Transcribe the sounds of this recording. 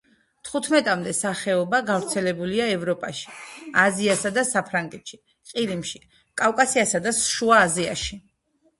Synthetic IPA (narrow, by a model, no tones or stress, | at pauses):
t̪ʰχut̪ʰmɛt̪ʼamd̪ɛsaχɛɔbaɡavɾt̪sʰɛlɛbuliaɛvɾɔpʼaʃi̥aziasad̪asapʰɾaŋɡɛt̪ʃi | qʼiɾimʃi | kʼavkʼasiasad̪asʃuaːzia̰ʃi